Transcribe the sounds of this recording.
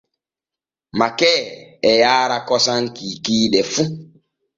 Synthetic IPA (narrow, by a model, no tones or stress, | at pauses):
makɛːɛjaːɾakɔsaŋkiːkiːɗɛfu